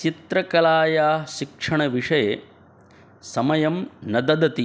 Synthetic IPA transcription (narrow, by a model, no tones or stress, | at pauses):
t͡ʃit̪ɾɐkɐlaːjaːʃikʂɐɳɐʋiʂɐje | sɐmɐjɐmnɐd̪ɐd̪ɐt̪i